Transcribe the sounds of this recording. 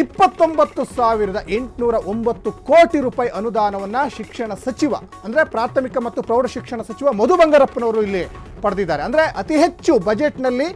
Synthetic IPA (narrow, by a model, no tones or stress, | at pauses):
ipːɐt̪ːo̞mbɐt̪ːusaːʋiɾɐd̪ɐʔe̞ɳʈnuːɾɐʔo̞mbɐt̪ːukoːʈiɾuːpaːjiʔɐnud̪aːnɐʋɐnːɐʃikʂɐɳɐsɐt͡ʃiʋɐ̰ | ɐnd̪ɐɾe̞pɾaːɾt̪ʰɐmikɐmɐt̪ːupɾɐwɖɐʃikʂɐɳɐsɐt͡ʃiʋɐmɐd̪ubɐŋɡɐɾɐpːɐnɐʋɐɾuːilːi | pɐɽɐd̪id̪ːaːɾeɐnd̪ɐɾeʔɐt̪iɦet͡ʃːubɐd͡ʒe̞ʈnɐlːi